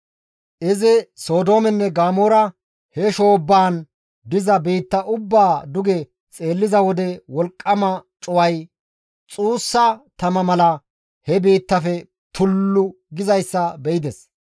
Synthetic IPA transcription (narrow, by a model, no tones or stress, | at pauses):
ʔɪzɪso̞ːd̪o̞ːmɛnːɛɡaːmoːɾɐ | hɛʃo̞ːbːaːn | d̪ɪzɐbiːt̪ːɐʔʊbːaːd̪ʊɡɛ | t͡sʼe̞ːlːɪzɐwɔd̪ɛwɔlkʼːɐmɐt͡ʃʼʊwɐj | t͡sʼuːsːɐt̪ɐmɐmɐlɐ | hɛbiːt̪ːɐfɛ | t̪ʊlːʊ | ɡɪzɐjsːɐbɛʔɪd̪ɛs